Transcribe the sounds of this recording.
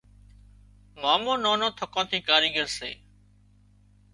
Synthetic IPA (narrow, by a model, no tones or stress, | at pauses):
maːmõːnõːnõːt̪ʰəkãːt̪ʰiːkaːɾiːɡəɾsḛː